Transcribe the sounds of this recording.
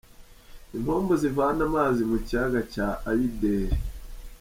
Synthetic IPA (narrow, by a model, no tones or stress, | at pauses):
im̥hoːmbozivaanamaːzimucaɡacaːjideːɾe